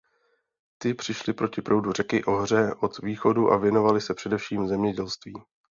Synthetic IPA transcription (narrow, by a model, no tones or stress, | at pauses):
t̪ɪpr̥ɪʃlɪpɾo̞cɪpɾo̞wdurɛkɪʔo̞ɦr̝ɛʔo̞t̪viːxo̞duʔa̰vjɛno̞valɪsɛpr̥ɛdɛfʃiːmzɛmɲɛɟɛlst̪viː